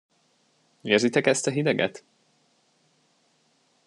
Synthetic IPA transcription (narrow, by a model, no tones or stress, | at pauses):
eːrzit̪ɛkɛst̪ɒɦid̪ɛɡɛ̰t̪